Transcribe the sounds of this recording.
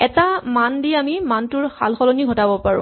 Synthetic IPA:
ɛtamandiamimantʊɹxa̰lxɔlɔniɡʱɔtabɔpaɹʊ̰̃

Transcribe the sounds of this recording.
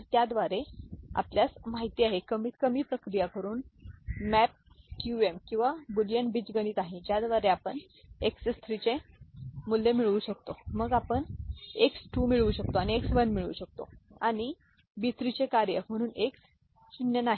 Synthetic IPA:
t̪jad̪ʋaɾea̰pljasmaɦit̪iaɦekəmiːt̪kəmiːpɾəkɾijakəɾuːnmæp̚ | kjuemkĩw̃ʋabuljənbit͡sɡəñiːt̪aɦẽd͡ʑjad̪ʋaɾeapəɳ | eksest̪ʰɾit͡ɕe | mulːemiɭuɕək̚t̪oməɡapəɳeksʈumiɭuːɕək̚t̪oañieksʋənmiɭṵːɕək̚t̪o̰aɽ̃i | bit̪ɾit͡ɕekaɾjəm̤əɽ̃uːneks | t͡ɕinjənaɦi

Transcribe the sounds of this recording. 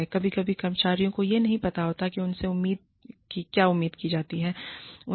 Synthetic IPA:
ɛkɐbʱikɐbʱikɐɾmət͡ʃaːɾijõkojenɐɦĩpɐt̪aɦoːt̪akiʊnseʊmːiːd̪̚ | kikjaːʊmːiːd̪kid͡ʒaːt̪iɦɛːʊ

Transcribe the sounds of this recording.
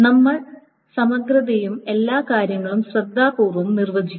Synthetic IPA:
nɐmːɐɭ | sɐmɐɡɾɐðɐjume̞lːaːkaːɾjɐŋːɐɭumsrɐd̪ʱːaːpuːrʋɐmnirʋɐd͡ʑi

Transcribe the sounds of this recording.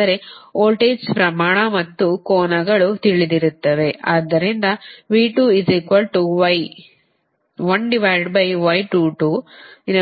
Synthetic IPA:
ɐɾe̞oːlʈeːd͡ʒspɾɐmaːɳɐmɐt̪ːukɔːnɐɡɐɭut̪iɭid̪iɾut̪ːɐʋe̞ʔaːd̪ːɐɾind̪ɐʋiːʈuːiziːkʋɐlʈuʋɐj | ʋɐɳɖiʋajɖbɐjʋɐjʈuːʈuːin

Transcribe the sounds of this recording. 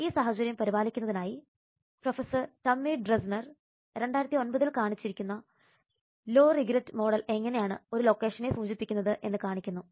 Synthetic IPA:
iːsaːɦɐt͡ɕɐɾjɐmpɐɾibaːlikʲːunːɐðinaːji | profesɐrʈɐmːiːɖresnɐr | ɾe̞ɳɖaːjiɾɐt̪ːio̞nbɐðilkaːɳit͡ɕːiɾikʲːunːɐ | lo̞ːriɡɾɐtːmo̞ːɽɐle̞ŋːɐnejaːɳɨ̰o̞ɾulo̞ːkːe̞ːʂɐne̞suːt͡ɕipːikʲːunːɐðɨʔe̞nːɨkaːɳikʲːunːu

